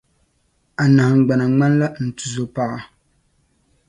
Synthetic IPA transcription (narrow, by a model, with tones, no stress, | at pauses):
a˨na˨hŋ̩˨ɡ͡ba˨na˨ŋ͡ma˦n˦la˦n̩˨tu˨zo˨pa˦ʔa˦